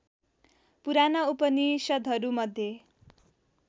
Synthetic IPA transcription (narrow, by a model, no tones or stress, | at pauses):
puɾanʌupʌnisʌd̪ʱɦʌɾumʌd̪ʱje